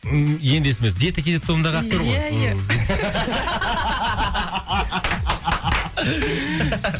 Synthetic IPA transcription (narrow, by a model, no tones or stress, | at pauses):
jend̪esɪmesd̪et̪əkʰʲezet̪ʰːomnd̪ɑʁɑt̪ʰːʊɾʁoj